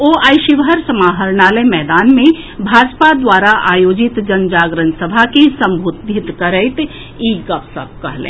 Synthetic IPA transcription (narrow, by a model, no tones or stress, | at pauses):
oːaːjʃɪʋɦəɾsəmaːɦəɾnaːlemɛːd̪aːnmẽ | bʱaːd͡ʒpad̪waːɾaʔaːjoːd͡ʒɪt̪d͡ʒənd͡ʒaːɡɾənsəbʱakesɐ̃mbʱud̪ʱɪt̪kəɾəɪt̪ | iːɡɐpsə̰p̚kɐ̰ɦlḛ̃